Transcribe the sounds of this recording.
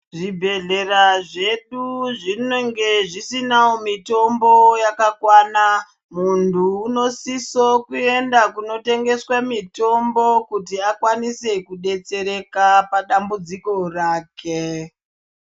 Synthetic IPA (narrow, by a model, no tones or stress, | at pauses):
ʐibʱe̞ɮe̞raʐe̞ɗuʐineŋɡe̞ʐisinawomito̞mbo̞jakakwaːna | muntʰuːno̞sisokue̞ndakuno̞te̞ŋɡe̞swamito̞mbo̞kutiakwanise̞kuɗe̞t͡se̞ɾe̞kapaɗambud͡ziko̞raːkʰe